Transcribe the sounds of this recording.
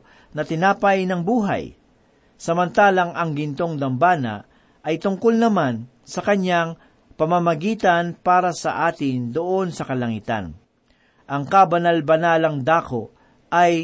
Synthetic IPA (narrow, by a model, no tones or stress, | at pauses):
nɐt̪ɪnaːpɐjnɐŋbuːɦa̰j | sɐmɐnt̪aːlɐŋʔɐŋɡɪnt̪o̞ŋd̪ɐmbaːnɐ̰ | ʔɐjt̪ʊŋkolnɐman | sɐkɐɲaŋ | pɐmamɐɡiːt̪ɐnpaːɾɐsɐ̰ʔaːt̪ɪnd̪oʔo̞nsɐkɐlɐŋit̪a̰n | ʔɐŋkabɐnalbɐnaːlɐŋd̪aːko̞ | ʔɐj